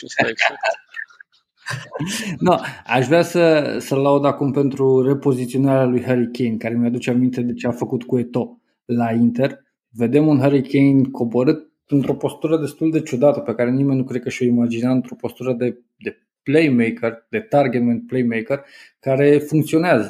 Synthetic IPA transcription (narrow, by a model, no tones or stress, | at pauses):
s | noa̰ʃvɾeasəsəlaud̪akumpe̞nt̪ɾure̞po̞zit̪sio̞naɾalujɦəɾikʲejnkaɾe̞mjad̪ut͡ʃeamint̪e̞d̪e̞t͡ʃeafəkut̪kue̞t̪o̞ | laint̪e̞r | ve̞d̪e̞munɦəɾikejnkʰo̞boɾɨt̪̚ | ɨnt̪ɾo̞po̞st̪uɾəd̪e̞st̪uld̪e̞t͡ʃud̪at̪əpe̞kaɾe̞nime̞nʲːukɾe̞d̪kəʃo̞imad͡ʒinaɨnt̪ɾo̞po̞st̪uɾəd̪e̞ | d̪e̞ | plejmejkərd̪e̞t̪arɡet̪ment̪̚plejmejkərkaɾe̞fuŋkt̪sio̞neazə